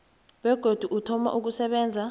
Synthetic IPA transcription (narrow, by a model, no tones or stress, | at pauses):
wɛɡ̥ʱod̥ʱuʔutʰɔma̰ʔuk̬usɛɓɛːnd͡zʱa